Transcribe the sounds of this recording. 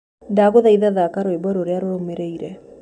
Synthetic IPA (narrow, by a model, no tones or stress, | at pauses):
daɣoðaiðaðakaɾoebɔɾoɾeaɾoɾomeɾeiɾɛ